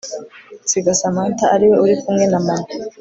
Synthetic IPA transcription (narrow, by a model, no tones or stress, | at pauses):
t͡siɡasamaːntaːɾiwe̞uɾikumŋe̞namana